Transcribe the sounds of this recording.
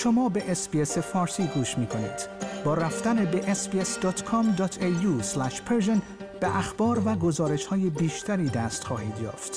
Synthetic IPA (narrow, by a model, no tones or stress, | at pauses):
ʃo̞mɒːbe̞ʔesbiese̞fɒːɾsiːɡuːʃmiːkʰo̞nḭːd̪̥bɒːɾæft̪ænebeʔesbiesd̪ɒːt̪kʰɔmd̪ɒːt̪ʰeuːslæʃpʰeɾʒen | b̥eʔæxb̥ɒːɾvæɡo̞zɒːɾe̞ʃhɒːje̞biːʃt̪ʰæɾiːd̪æːst̪xɒːhiːd̪jɒ̰ːft̪